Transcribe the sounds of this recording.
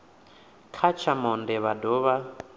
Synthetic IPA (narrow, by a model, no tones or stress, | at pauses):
kʰat͡ʃʰamɔndɛβadɔβa